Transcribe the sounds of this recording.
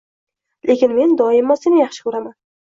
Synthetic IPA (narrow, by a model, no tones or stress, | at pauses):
lʔe̞kʲɪnme̞nd̪ɒɪmːɒsenɪjɑχʃɪ̥kʰɵɾaman